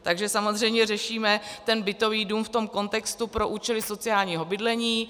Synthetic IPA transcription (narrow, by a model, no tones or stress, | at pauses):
t̪aɡʒɛsamozr̝ɛjmɲɛrɛʃiːmɛt̪ɛnbɪt̪o̞viːduːmft̪o̞mko̞nt̪ɛkst̪upɾo̞ʔuːt͡ʃɛlɪso̞t͡sɪaːlɲiːɦo̞bɪdlɛɲiː